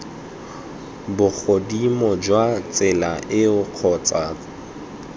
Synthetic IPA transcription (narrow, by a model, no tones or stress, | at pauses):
bʊk͡xʰodimɔd͡ʒwat͡sʼɪlaʔɪʊq͡χʰɔːt͡sʼaː